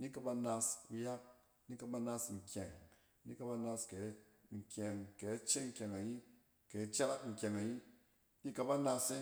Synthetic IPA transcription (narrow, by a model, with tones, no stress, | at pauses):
ni˦ka˧ba˧na˧sku˧ja˦k̚ | ni˦ka˧ba˧na˧sŋ̩˨kʲɛ˨ŋ | ni˦ka˧ba˧na˧ske˨˦ | ŋ̩˨kʲɛ˨ŋke˨˦t͡ʃe˦ŋ̩˨kʲa˨ŋa˨ɲi˦ | ke˨˦t͡ʃa˦ka˦tŋ̩˨kʲe˨ŋa˨ɲi˦ | ni˦ka˧ba˦na˧se˦